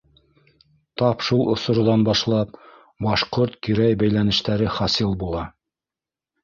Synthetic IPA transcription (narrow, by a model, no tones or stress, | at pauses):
t̪ɑpʃulˠŏsŏɾ̆d̪ɑnbɑʃlˠɑp̚ | bɑʃqoɾt̪kiɾæjbæjlænɘ̆ʃt̪æɾɘχɑsilˠbulˠɑ